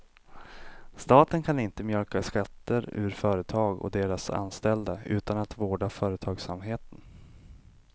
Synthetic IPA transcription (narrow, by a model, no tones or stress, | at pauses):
st̪ɑːt̪ənkʰanɪnt̪əmjœɾkaskat̪ʰːəɾʉ̰ɾfœːɾət̪ʰɑːɡɔ̰d̪eːɾasa̰nst̪ɛld̪aʉ̟̰ːt̪anat̪voːɖafœːɾət̪ʰɑːɡsamɦeːt̪ən